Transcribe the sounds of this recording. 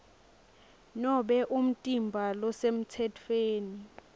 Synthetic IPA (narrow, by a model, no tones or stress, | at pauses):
nɔɓɛʔum̩tʼimbʱalɔsem̩tʰɛtʰweːni